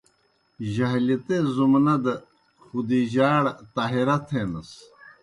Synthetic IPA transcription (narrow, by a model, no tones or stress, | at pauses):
ʑɐɦlit̪ezumnɐd̪ə | xud̪iʑaːɽt̪aːɦiɾɐt̪ʰeːnɐs